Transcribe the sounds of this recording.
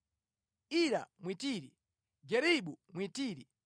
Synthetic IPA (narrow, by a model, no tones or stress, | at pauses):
iɾa̰mwitiːɾḭ | ɡɛɾiɓumwitiːɾi